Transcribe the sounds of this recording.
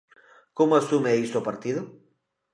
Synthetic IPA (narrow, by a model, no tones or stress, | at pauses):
komoasumeist̪opaɾt̪iðʊ